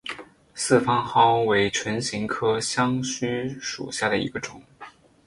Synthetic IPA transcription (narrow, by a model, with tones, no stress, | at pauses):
sɹ̩˥˩fɑ˥ŋxɑ˥ʊwe˧˥ɪʈ͡ʂʰwə˧˥nɕi˧˥ŋkʰɤ˥ɕjɑ˥ŋɕy˥ʂṵ˨˩ɕja˥˩d̪ə˩ḭ˧˥ɡə˧ʈ͡ʂʊ˨˩˦ŋ